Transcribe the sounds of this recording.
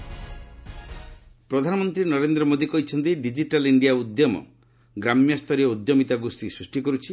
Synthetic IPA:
pɾɔd̪ʱanɔmɔnt̪ɾinɔɾend̪ɾɔmod̪ikɔɦit͡ʃʰɔnt̪̬iɖid͡ʒiʈaliɳɖiaud̪jɔmɔ̰ | ɡɾamjɔst̪ʰɔɾiɔud̪jɔmit̪aɡusɾisɾusʈikɔɾut͡ʃʰi

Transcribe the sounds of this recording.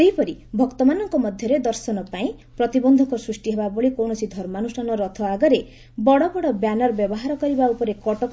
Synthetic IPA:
eɦjpɔɾibʱɔkt̪ɔmanɔŋkɔmɔd̪ʱjɔɾed̪ɔɾsɔnɔpaĩ | pɾɔt̪ibɔnd̪ʱɔŋkɔsɾusʈiɦebaboɭikownɔsʰid̪ʱɔɾmanusanɔɾɔt̪ʰɔaɡɔɾe | bɔɽɔbɔɽɔbjanɔɾbjɔbɔɦaɾɔkɔɾibaupɔɾekɔʈɔk

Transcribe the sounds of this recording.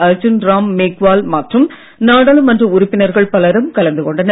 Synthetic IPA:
ɐɾd͡ʒɯnɾaːmːeːkʋaːlmɐːʈrɯm | naːɽaːlɯmːɐndrɐʊɾʊpːɪnɐɾɣɐɭpɐlɐɾɯmkɐlɐnd̪ɯkɔɳɖɐnɐ

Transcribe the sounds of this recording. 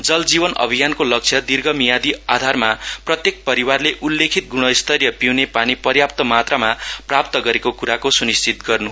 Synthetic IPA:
d͡zʌld͡zibʌnʌ̰bʱijankolʌk̚t͡sʰjʌd̪irɡʌmijad̪iad̪ʱarmaprʌt̪jek̚pʌɾiwarleʔulːekʰit̪̚ɡuɽ̃ʌjst̪ʌrjʌpiwnepanipʌrjap̚t̪ʌmat̪ramaprap̚t̪ʌɡʌɾekokuɾakosunist͡sit̪̚ɡʌrnu

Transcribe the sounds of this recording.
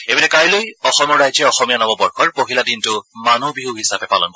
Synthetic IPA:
ebinɛkajlojɔxɔmɔɹajzɛɔxɔmijanɔbɔbɔɹxʰɔɹpoɦiladintʊmanubiɦuɦisabɛpalɔ̰nk

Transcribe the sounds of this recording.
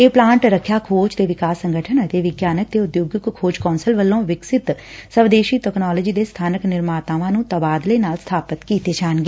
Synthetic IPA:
eːplãːɳʈɾəkʰːjaːkʰoːd͡ʒt̪eːʋɪkaːsːəŋɡəʈʰənət̪eːʋɪɡjaːnək̚t̪eːʊd̪joːɡəkkʰːoːd͡ʒkɔːnsəlʋəlːõːʋɪksɪt̪ | səʋd̪eːʃiːʈɛknɔːləd͡ʒiːd̪eːst̪ʰaːnəknɪɾmaːt̪aːʋãːnũːt̪əbaːd̪ləiːnaːlst̪ʰaːpət̪kiːt̪eːd͡ʒaːnɡeː

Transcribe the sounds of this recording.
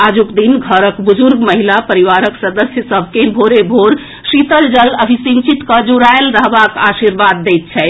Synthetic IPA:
ad͡ʒukd̪inɡʱəɾəkbud͡ʒuɾɡməɦilapəɾiʋaɾəksəd̪əsjəsəbʱkebʱoɾebʱoɾ | sit̪əld͡ʒələbʱisimt͡ʃit̪kəd͡ʒuɾaelɾəɦbakasiɾbad̪ːɛjt̪̚t͡ʃʰɛ

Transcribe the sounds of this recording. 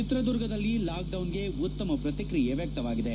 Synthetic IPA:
it̪ɾɐd̪uɾɡɐd̪ɐlːilaːk̚ɖɐwnɡe̞ut̪ːɐmɐpɾɐt̪ikɾijeʋjɐk̚t̪ɐʋaːɡid̪e

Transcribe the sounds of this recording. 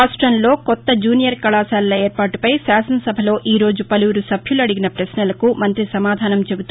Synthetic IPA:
aːsʈɾɐnlo̞ːkɔt̪ːɐd͡ʒuːnijɐɾkɐɭaːsaːlɐlɐeːɾpaːʈupɐjsaːsɐnsɐbʱɐlo̞ːʔiːɾo̞ːd͡ʒupɐluːɾusɐbʱjulɐɽiɡinɐpɾɐsnɐlɐkumɐnt̪ɾisɐmaːd̪ʱaːnɐmt͡ʃebut̪

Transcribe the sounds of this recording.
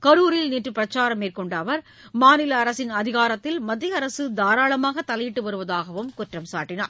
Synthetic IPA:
kɐɾuːɾɪlniːʈrɯpɪɾɐt͡ʃːaːɾɐmeːrkɔɳɖɐːʋɐɾ | maːnɪlɐːɾɐsɪnɐðɪɣaːɾɐt̪ːɪlmɐd̪ːɪjɐɐɾɐsɯd̪aːɾaːɭɐmaːɣɐt̪ːɐlɐjɪʈːɯʋɐɾɯʋɐðaːɣɐʋɯmkʊʈrɐmsa̰ːʈːɪna̰ːɾ

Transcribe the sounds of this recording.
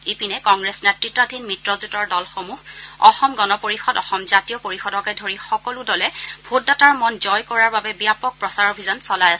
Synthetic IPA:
epinɛkɔŋɡɹɛsnɛtɹitɹadʱinmitɹɔzutɔɹdɔlxomuɦɔxɔmɡɔnɔpoɹixɔdɔxɔmzatijɔpoɹixɔdɔkɛdʱoɹixɔkɔlʊdɔlɛbʱotdataɹmɔnzɔjkɔɹaɹbabɛbijapɔk̚pɹɔsaɹobʱizɔnsɔlajasɛ

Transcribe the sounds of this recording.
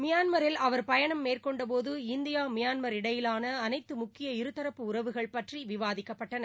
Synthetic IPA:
mɪjaːnmɐɾɪlɐʋɐɾpɐjɐɳɐmːeːrkɔɳɖɐp̬oːðɯɪnd̪ɪjaːmɪjaːnmɐɾɪɽɐjɪlaːnɐːnɐɪt̪ːɯmʊkːɪjɐɪɾɯt̪ːɐɾɐpːɯʊɾɐʋɯɣɐɭpɐʈriʋɪʋaːðɪkːɐpːɐʈːɐnɐ

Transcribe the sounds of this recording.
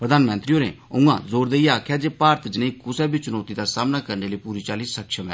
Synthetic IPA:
pɾəd̪aːnmə̃nt̪ɾiːoːnḛʊ̃ŋɡã̰ːzoːɾd̪eiaːkʰjaːd͡ʒeːpaːɾt̪d͡ʒɪnẽiːkʊsɛːbiːt͡ʃʊnɔːt̪id̪aːsaːmnaːkəɾneːləipuːɾiːt͡ʃaːliːsəkʃəmɛ̰ː

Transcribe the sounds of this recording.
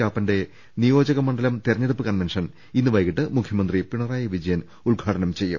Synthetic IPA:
aːpːɐnde̞ | nijo̞ːd͡ʑɐɣɐmɐɳɖɐlɐmt̪irɐɲːɐɽupːɨkɐnʋenʂɐn | inːɨʋɐjkiʈːɨmukʰjɐmɐnd̪ripiɳɐraːjɐʋid͡ʑɐjɐn | uɭɡʱaːʈɐnɐmt͡ɕe̞jːṵ

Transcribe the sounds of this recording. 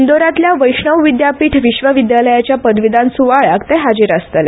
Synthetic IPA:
nd̪oɾãt̪ljaʋəjʂɳəwʋid̪japiːʈʰʋiɕʋəʋid̪jaləjat͡ɕjapəd̪ʋid̪ãnsuʋaɭakt̪ɛɦad͡ʑiɾast̪əle

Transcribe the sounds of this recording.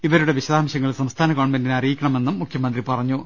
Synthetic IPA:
iʋɐɾuɽe̞ʋiɕɐðaːmɕɐŋːɐɭsɐmst̪ʰaːnɐkoːɳmendinɐrijikʲːɐɳɐme̞nːumːukʰjɐmɐnd̪ripɐrɐɲːu

